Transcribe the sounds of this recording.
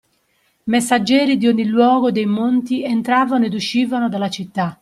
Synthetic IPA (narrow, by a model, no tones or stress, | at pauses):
mesːad͡ʒːɛːɾid̪ioɲːilwɔːɣod̪ejmont̪iɛnt̪ɾaːvanoɛd̪uʃːiːvanod̪alːat͡ʃit̪ːa